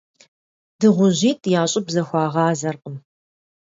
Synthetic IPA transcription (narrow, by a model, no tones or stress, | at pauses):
d̥ɨʁʷʊʑiːtʰʼjaːɕʼɪbzɐxʷɑːʁɑːzɐrqʼəm